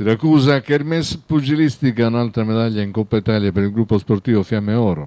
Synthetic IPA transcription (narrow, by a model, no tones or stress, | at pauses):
siɾakːuːzakɛɾmɛspud͡ʒilist̪ikaunalt̪ɾamɛðaʎːaiŋkɔpːait̪aljapɛɾilɡɾupːospoɾt̪iːvofjamːɛɔːɾo